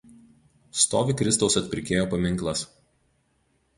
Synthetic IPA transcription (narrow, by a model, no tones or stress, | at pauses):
st̪oːʋʲɪkɾʲɪst̪ɒʊsɐt̪ʲpʲɾʲɪkʲeːjoːpɐmʲɪŋˑklˠɐs